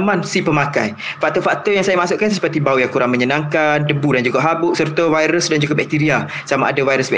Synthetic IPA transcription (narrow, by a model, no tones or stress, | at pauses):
mãnsipəmaka̰j | fak̚t̪ɔfak̚t̪ɔjaŋsajamasʊʔkanssə̥pərt̪ibaujaŋkuɾaŋmə̃ɲənãŋkandəbudand͡ʒuɡaʔɦabʊʔsərt̪avajɾəsdand͡ʒuɡabɛk̚t̪iɾia | samaʔːdavajɾəsbɛ